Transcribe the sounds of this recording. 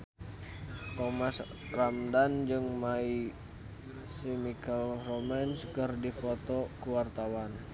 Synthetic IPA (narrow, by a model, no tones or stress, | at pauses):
t̪ɔmas | ramdand͡ʒɨŋmai | simikalrɔmɛnskərdipɔt̪ɔkuwart̪awan